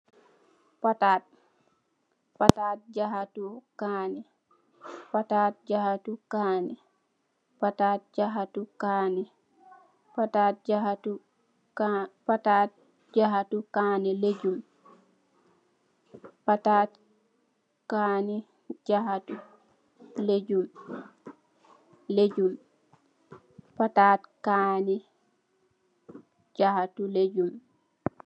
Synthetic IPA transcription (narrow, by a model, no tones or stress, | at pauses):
patat̚ | pataːt̚d͡ʒaɦatukaːnɛ | pataːt̚d͡ʒahatukaːnɛ | pataːt̚d͡ʒaɦatukanɛ | atat̚d͡ʒaatu | patat̚ | d͡ʒaɦatukaːnɛled͡ʒum | patat | kani | d͡ʒahatu | led͡ʒum | led͡ʒum | pataːtkani | d͡ʒahatuled͡ʒum